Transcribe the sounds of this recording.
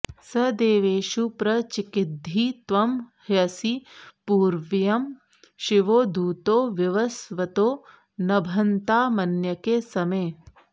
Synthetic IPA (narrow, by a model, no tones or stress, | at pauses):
sɐd̪eːʋeːʃupɾɐt͡ʃikɪd̪ʱiːt̪ʋɐmhjɐsipuːɾʋjɐm | ʃiʋoːd̪uːt̪oːʋjɐʋɐsʋɐt̪oː | nɐbʱɐnt̪aːmɐnjɐkesɐmeː